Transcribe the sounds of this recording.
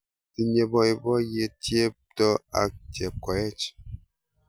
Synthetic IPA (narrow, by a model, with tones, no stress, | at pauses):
ti˨ɲe˨bɔ˦i˨bɔ˦je˦tje˦ptɔ˦a̰˨tɛ˨kɔ˨ɛ˦t͡ʃ